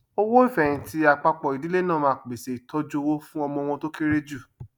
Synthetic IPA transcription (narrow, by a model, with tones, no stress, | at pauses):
o˦wo˦i˦˨fɛ˨ñĩ˨˧ti˧a˧k͡pa˧k͡pɔ˨i˨di˨˦le˦nãː˦˨mãː˦˨k͡pe˨se˨i˨tʰɔ˦d͡ʒo˧wo˦fũ˦ɔ˧mɔ̃˧w̃ɔ̃˧to˦ke˦ɾe˦d͡ʒu˦˨